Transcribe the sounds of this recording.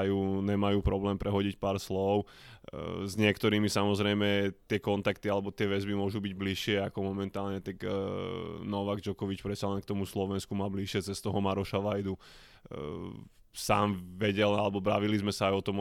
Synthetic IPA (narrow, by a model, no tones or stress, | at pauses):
juːɲɛmajuːpɾɔblɛːmpɾʔɛɦɔɟicpaːɾslɔʊ | zɲɪɛkt̪ɔɾiːmisamɔzɾɛjmɛt̪ɪɛkɔnt̪akt̪ialɛbɔt̪ɪɛʋɛzbimʊɔʒubiɟbliʃɪɛakɔmɔmɛnt̪aːlɲɛt̪ak | nɔʋaɡd͡ʒɔkɔʋit͡ʃpɾɛtt͡salɛnkt̪ɔmuslɔʋɛnskumaːbliʃɪɛt͡sɛst̪ɔɦɔmaɾɔʃaʋajd̪u | saːmʋɛɟɛlalɛbɔbɾaʋilizmɛsaajɔt̪ɔm